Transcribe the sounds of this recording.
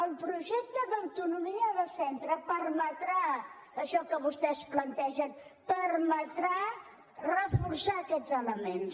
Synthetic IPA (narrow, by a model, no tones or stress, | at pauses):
əlˠpɾuʒɛk̚t̪əðəwt̪unumiəðəsɛnt̪ɾəpəɾmət̪ɾa | əʃɔkəβust̪ɛsplənt̪ɛʒənpərmət̪ɾa | rəfuɾsaəkɛd͡zələmens